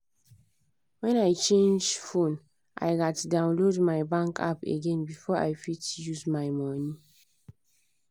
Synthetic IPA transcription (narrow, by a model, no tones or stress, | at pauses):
wɛ̃najt͡ʃẽnd͡ʒfõn | ʔa̰jɡatdãʊ̃nlodmajbãŋkʰa̰pḛɡɛ̃nbifɔa̰jfitjuzmaɪmɔni